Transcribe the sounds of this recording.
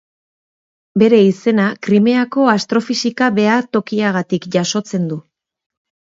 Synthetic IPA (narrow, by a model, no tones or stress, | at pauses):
be̞ɾe̞ise̞nakɾime̞ako̞ast̪ɾo̞fisikaβe̞at̪o̞kiaɣ̞at̪ikʝaso̞t͡se̞nd̪u